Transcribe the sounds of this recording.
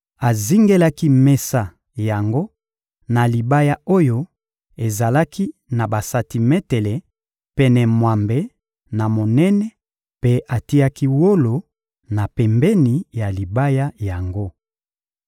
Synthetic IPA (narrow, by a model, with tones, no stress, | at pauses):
a˨zi˦ŋɡe˦la˦ki˦mɛ˦sa˦˨ | ja˨ŋɡo˦ | na˨li˨ba˦ja˦o˦jo˦ | e˨za˨la˦kʰi˦na˨ba˨sa˨ti˨mɛ˦tɛ˨lɛ˨ | pɛ˦nɛ˨mwa˨mbe˦ | na˨mo˨nɛ˦nɛ˦ | pe˦ʔa˨ti˦ja˦ki˦wo˦lo˨ | na˨pɛ˨mbɛ˦ni˨ja˨li˨ba˦ja˦ja˨ŋɡo˦